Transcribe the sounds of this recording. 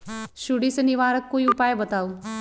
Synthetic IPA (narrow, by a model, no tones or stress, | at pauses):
ʃʊɽisenɪʋaːɾəkːoːiʊpaːebɐt̪aːo